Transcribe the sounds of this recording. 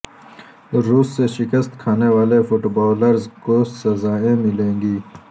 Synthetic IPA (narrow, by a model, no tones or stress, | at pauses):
ɾuːsːeʃɪkəst̪kʰaːnewaːlefʊʈbaːləɾzkosɐzaːẽmɪlẽːŋɡiː